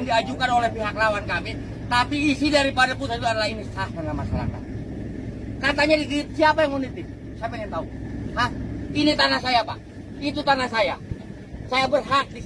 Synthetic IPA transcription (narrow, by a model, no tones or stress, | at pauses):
ŋdiad͡ʒukanolɛhpiɦaklawankamɛ | t̪apiːsidaɾipadapusait̪uadalainisahkarnamasala̰hka̰ | kat̪aɲadikit̪̚siapajaŋunit̪ɪm | siapaŋant̪aupainit̪anahsajapaʔ | it̪ut̪anahsaja | sajabərɦak̪̚di